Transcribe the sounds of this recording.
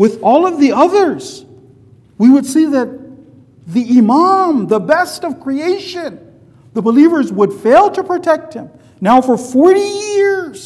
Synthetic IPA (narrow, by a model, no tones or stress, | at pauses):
wɨðɔlˠʌvðiʌðə˞z̥ | wiwɨd̥siðɨt̪̚ | ðiɪmɑ̃mðəbɛstʌv̥kʰɹ̥ieɪʃɨ̃n | ðəbəlivə˞zwəd̥feɪlˠtʰəpʰɹ̥ɨtʰɛk̚t̚hɨ̃m | naʊfə˞fɔɹɾijɪɹz̥